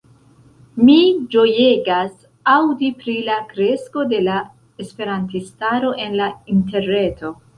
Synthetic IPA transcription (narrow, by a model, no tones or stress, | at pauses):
mid͡ʒo̞je̞ɡas | awdipɾilakɾe̞sko̞de̞la | e̞spe̞ɾantistaɾo̞ʔe̞nlainte̞ɾne̞tʰo̞